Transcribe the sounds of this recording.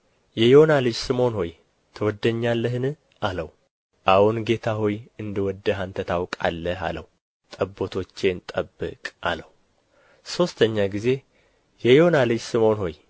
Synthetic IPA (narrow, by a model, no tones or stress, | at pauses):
jɛjonalɨd͡ʒsɨmo̞nho̞j | t̪ʰəwɔd̪ːəɲːalːəhɨnɨ | ʔaləw | ʔawunɡe̞t̪ʰaɦojɨnd̪əwɔd̪ːəɦant̪ʰət̪ʰawkʼa̰lːəa̰lə̰wu | t̪ʼəbːo̞t̪ʰo̞t͡ʃːent̪ʼəbːɨ̰kʼʔa̰ləwu | so̞st̪ʰəɲːaɡize̞ | jɛjonalɨd͡ʒsɨmo̞nho̞j